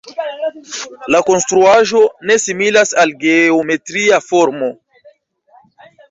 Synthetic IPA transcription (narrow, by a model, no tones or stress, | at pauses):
lako̞nstɾuaʒo̞ne̞similasalɡe̞ome̞tɾiafo̞ɾmo̞